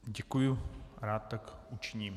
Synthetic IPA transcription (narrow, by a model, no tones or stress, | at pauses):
ɟɛkujuɾaːt̪̚ːakut͡ʃɪɲiːm